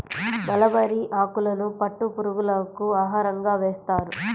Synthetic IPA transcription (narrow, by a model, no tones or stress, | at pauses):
bɐlɐbɐɾiʔaːkulɐnupɐʈːupuɾuɡulɐkuaːɦaːɾɐŋɡaːʋeːst̪aːɾu